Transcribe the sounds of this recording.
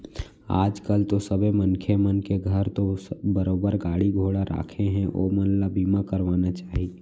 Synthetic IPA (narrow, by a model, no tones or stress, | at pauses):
a̰ːd͡ʒkəlt̪osəbʱemənkʰemənkeɡʱəɾt̪obəɾoːbəɾɡaːɽiɡʱoːɽaɾa̰ːkʰeɦɛ̃ʔo̰ːmənlabiːmakəɾʋaːnat͡ʃaːɦie